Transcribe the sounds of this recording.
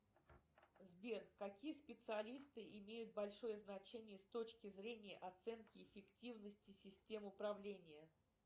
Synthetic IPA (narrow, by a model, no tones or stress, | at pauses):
zbʲerkɐkʲijəspʲɪt̪sɨɐlʲist̪ɨʔɪmʲejʊt̪̚bɐlʲʂo̞jəznɐt͡ɕenʲɪjəst̪o̞t͡ɕkʲɪzɾʲenʲɪjə̰ʔɐt̪sɛnkʲɪɪfʲɪktʲivnəsʲtʲɪsʲɪsʲtʲe̞mʊpɾɐvlʲenʲɪjə